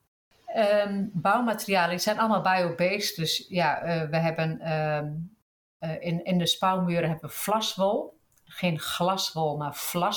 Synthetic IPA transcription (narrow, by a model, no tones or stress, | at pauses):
əbawmatərijaːlˠəisɛjnɔlˠmalˠbɛjobeːstdøsjaəʋəɦɛbən | ɪɪndəspawmyːəɾəɦɛbəʋəflasʋolˠ | xeːnxlasʋolˠmarfla